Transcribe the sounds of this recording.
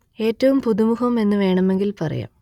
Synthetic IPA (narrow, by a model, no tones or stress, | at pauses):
e̞ːtːɐʋumpuðumuhɐme̞nːɨʋe̞ːɳɐme̞ŋɡilpɐrɐ̰ja̰ːm